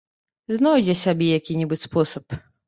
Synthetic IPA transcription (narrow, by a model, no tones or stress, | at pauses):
znɔwd͡zʲɛsʲabʲɛjakʲinʲibɨt͡sʲspɔsɐp